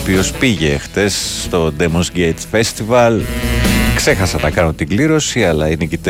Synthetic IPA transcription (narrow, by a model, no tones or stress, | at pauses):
pio̞spiʝe̞ːxθe̞sːt̪o̞d̪emonsɟej̪sfe̞st̪ivɐl | kse̞xɐsɐnɐkɐnont̪iɡliɾo̞siɐlɐinecit̪